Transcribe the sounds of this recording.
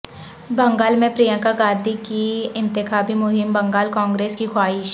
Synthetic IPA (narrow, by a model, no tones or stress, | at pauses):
bɐ̃ŋɡaːlmẽpɾijə̃kaɡãːd̪ʱikiɪ̃nt̪ɪkʰaːbimʊɦɪmbɐ̃ŋɡaːlkãːŋɡɾeːskixʰwaːɪʃ